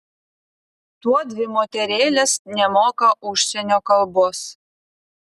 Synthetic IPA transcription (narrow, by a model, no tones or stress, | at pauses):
t̪uɔd̪ʲʋʲɪmoːt̪ʲɛɾʲeːlʲesnʲɛmoːkɐʔʊʃʲsʲɛnʲoːkɐlˠboːs